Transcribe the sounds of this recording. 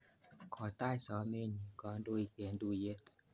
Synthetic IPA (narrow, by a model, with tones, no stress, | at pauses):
kʰɔ˨ta˦i˨sɔ˨˦me˦ɲi˨kɔ˨˦ndo˦i˨pe˨ndu˦˨je˦t